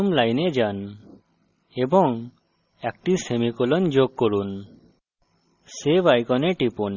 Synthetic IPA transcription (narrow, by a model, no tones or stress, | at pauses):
mlajnɛd͡ʒan | ebɔŋ | ek̚ʈisemikulɔnd͡ʒoɡ̚kɔɾun | sebajkɔnɛʈipun